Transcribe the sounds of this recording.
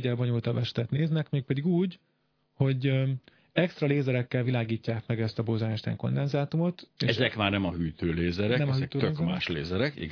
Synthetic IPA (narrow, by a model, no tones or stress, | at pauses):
ɟɛlboɲult̪ɒbɛʃt̪ɛt̪neːznɛkmeːk̚pɛd̪iɡuːɟ | ho̞ɟ | ɛkst̪rɒleːzɛɾɛkːɛlvilaːɡiːcːaːkmɛɡɛst̪ɒbozanɛʃt̪ɛ̰ŋko̞̰nd̪ɛnzaːt̪umo̞t̪eɛzɛkmaːrnɛmɒɦyːt̪øːleːzɛɾɛnɛmɒhyːk̪øːt̪øeːzmaːʃlḛːzɛɾɛkḭɡ